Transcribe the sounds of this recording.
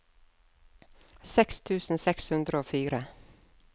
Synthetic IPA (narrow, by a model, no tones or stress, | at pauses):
sɛkst̪ʰʉːsn̩sɛkshʉnd̪ɾəoːfyːɾə